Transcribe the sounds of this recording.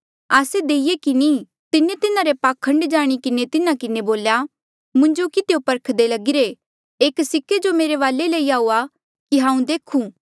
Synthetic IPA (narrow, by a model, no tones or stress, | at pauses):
aːsed̪eːɪjekiniː | t̪ɪnet̪ɪnaɾepaːkʰə̃ɳɖd͡ʒaːɽ̃ikɪnet̪ɪnãkɪneboːlja | mʊ̃ɲd͡ʒokit̪eːopɐɾkʰd̪elɐɡɪɾe | eːksɪkːed͡ʒomeːɾeʋaːleleiaːuːa | kiɦãːũd̪eːkʰũː